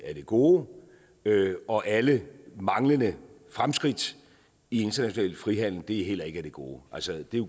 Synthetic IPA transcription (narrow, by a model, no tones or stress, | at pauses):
æɐd̥e̝ɡ̥o̝ː | øɒ̽ʔæləmɑ̈ŋlənə | fʁamsɡ̥ʁid̥ | ie̝nd̥ɐnæɕo̝nɛ̰ːlfʁiɦæn̰l̩d̥e̝ɦel̰ɐe̝ɡ̥əæɐd̥e̝ɡ̥o̝̰ːʔælsəd̥e̝jo